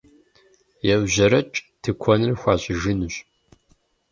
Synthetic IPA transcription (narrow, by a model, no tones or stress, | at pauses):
jɛwʑɐɾɐt͡ʃʼtʰɨkʷʰɔnɨrxʷɑːɕʼɪʒɨnuɕʼ